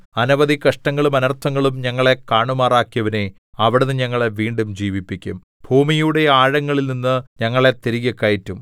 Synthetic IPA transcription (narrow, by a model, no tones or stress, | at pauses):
ɐnuʋɐðikɐʂʈɐŋːɐɭumɐnɐrt̪ʰɐŋːɐɭumɲɐŋːɐɭe̞kaːɳumaːraːkːijɐʋɐne | ɐʋiɽenːɨɲɐŋːɐɭeʋiːɳɖumd͡ʑiːʋipːikʲːum | bʱuːmijuɽe̞aːɻɐŋːɐɭilninːɨɲɐŋːɐɭe̞t̪eɾiɣɐkːaːjitːum